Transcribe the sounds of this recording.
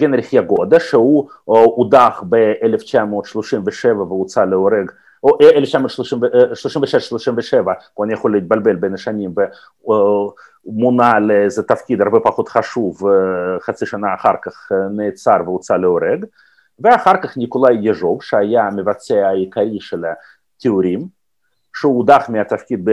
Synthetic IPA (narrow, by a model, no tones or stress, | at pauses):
ɡʲenɾʲiχjaɡo̞d̪aʃeu | ud̪aχbeeleft͡ʃamoːt̪ʃloʃimveʃevɐveut͡saleoɾeɡ | oeleft͡ʃamot̪ʃloʃimvʃloʃimveʃeʃʃloʃimveʃɛvɐkoanʲijaχo̞lːiit̪̚balbelbejnaʃanʲimve | munaleejzet̪afkʲid̪aɾbɛpaχo̞t̪χaʃuvχat͡siʃanaːχaɾkaχneːt͡saɾveut͡saleoɾeɡ | veaχaɾkaχnʲikolajːeʐo̞vʃeajamevat͡seaajikaɾʲiʃela | t̪ʲeuɾʲim | ʃeud̪aχmʲiat̪afkʲid̪̚b